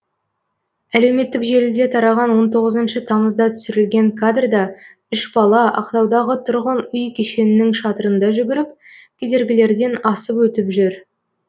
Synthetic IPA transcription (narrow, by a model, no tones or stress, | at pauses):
æle̞wme̞t̪ːɪkʒe̞lɪld̪e̞t̪ʰɑɾɑʁɑnwo̞nt̪ʰo̞ʁəzənʃət̪ʰɑməzd̪ɑt̪ʰʏ̥sʏɾɪlɡʲe̞ŋkʰad̪rd̪ɑ | ʏʃbɑlˠɑʔɑ̰qt̪ɑwd̪ɑʁət̪ʰʊɾʁənʏjkʲʰeʃe̞nɪnɪŋʃɑt̪əɾənd̪ɑʒʏɡʲɪɾɪp̚ | kʲʰe̞d̪e̞ɾɡʲɪle̞ɾd̪e̞nɑsəpwɵt̪ɪpʒʏɾ